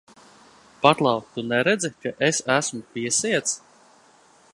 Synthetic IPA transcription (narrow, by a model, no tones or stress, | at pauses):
pat̪lˠɑwt̪unɛɾɛd̪zikaʔesæsmupʲiɛsiɛt̪s